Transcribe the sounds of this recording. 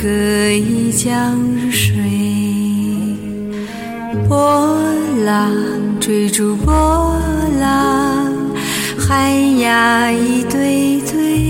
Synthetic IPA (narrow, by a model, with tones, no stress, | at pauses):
kɤ˧˩i˥t͡ɕjɑ˥˧˥ŋʂwe˨˥˩ | pwɔ˥la˧˩ŋʈ͡ʂwe˧˩ɪʈ͡ʂu˨˩pwɔ˥la˧ŋ | xa˥nja˧˩i˧˥t̪we˥ɪt̪ʰwe˥ɪ